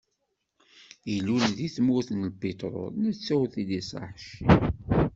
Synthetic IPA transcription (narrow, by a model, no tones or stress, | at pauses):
jilːulðiθmuθnlbit̪ˤɾʊ̰næt͡sːæwθid̪isə̰ħʃi